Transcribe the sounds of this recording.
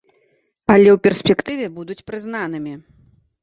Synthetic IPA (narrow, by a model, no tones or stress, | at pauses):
alʲɛwpʲɛrsʲpʲɛkt̪ɨvʲɛbud̪ut͡sʲpɾɨznan̪ɨmʲi